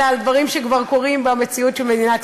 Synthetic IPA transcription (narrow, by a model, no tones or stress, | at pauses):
ald̪vaʁimʃekvaʁko̞ʁimbamet͡siutʃelmed̪inat